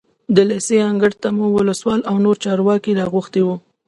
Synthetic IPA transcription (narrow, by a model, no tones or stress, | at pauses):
d̪əleseaŋɡəɽt̪amuwʊləswɑlawnoɾt͡ʃɑɾwɑkiɾɑɣuxt̪ewu